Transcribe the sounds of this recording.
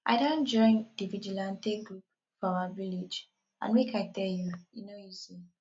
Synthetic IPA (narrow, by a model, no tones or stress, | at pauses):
ʔa̰ɪdõnd͡ʒɔ̃ɪ̃ndivid͡ʒulãntek̚ɡɹup | fɔawavilid͡ʒ | ʔã̰nmekʰaɪtɛljujinoizi